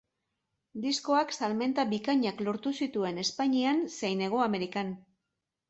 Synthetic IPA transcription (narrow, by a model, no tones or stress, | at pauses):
d̪isko̞aksalme̞nt̪aβikaɲaklo̞ɾt̪usit̪ue̞ne̞spaɲianse̞jne̞ɣ̞o̞ame̞ɾikan